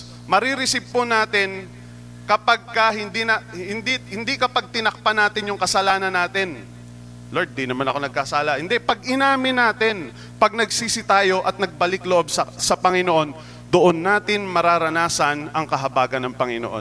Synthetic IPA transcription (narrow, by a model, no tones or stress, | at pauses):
mɐɾiɾɪsɪpːonaːt̪ɪn | kɐpaɡ̚kɐhɪnd̪inɐhɪnd̪ihɪnd̪ikɐpaɡ̚t̪ɪnɐk̚pɐnaːt̪ɪnjʊŋkɐsɐlaːnɐnːaːt̪ɪn | lod̪̚d̪inɐmanɐko̞nɐɡ̚kasaːlɐhɪnd̪ɛpɐɡʔɪnaːmɪnːaːt̪ɪn | pɐɡ̚nɐɡsiːsɪt̪aːjo̞ʔɐt̪̚nɐɡ̚bɐlɪkloʔobsɐsɐpɐŋɪnoʔo̞n | d̪oʔonːaːt̪ɪnmɐɾaːɾɐnaːsɐnɐŋkɐɦɐbaːɡɐnːɐŋpɐŋɪno̰ʔo̰n